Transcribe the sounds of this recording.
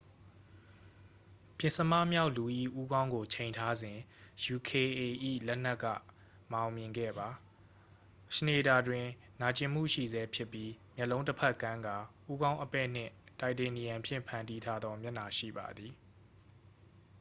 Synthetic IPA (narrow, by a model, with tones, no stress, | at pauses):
pjɪ̃˨nsə˨ma̰˦˨mja˦ʊʔlu˨ʔḭ˦˨ʔu˦ɡã˦ʊ̃ŋɡo˨t͡ɕʰẽ˨ɪ̃ntʰa˦zɪ̃˨ju˨kʰe˨e˨ʔḭ˦˨lɛ˦n̥ɛ˦ʔkːä̰˦˨ | mã˨ʊ̃mjɪ̃˨ŋɡɛ̰˦˨ba˨ | ʃəne˨da˨dwɪ̃˨ | na˨t͡ɕɪ̃˨m̥ṵ˦˨ʃḭ˦˨zɛ˦pʰjɪ˦pːji˦mjɛ˦˨lõ˦ʊ̃tə˦pʰɛ˦˨kã˦ŋɡa˨ʔu˦ɡã˦ʊ̃ʔəpɛ̰˦˨n̥ɪ̰̃˦˨ta˨ɪʔte˨ni˨jã˨pʰjɪ̰̃˦˨mpʰã˨ndi˦tʰa˦d̪ðɔ˦mjɛ˦˨na˨ʃḭ˦˨ba̰˨d̪i˨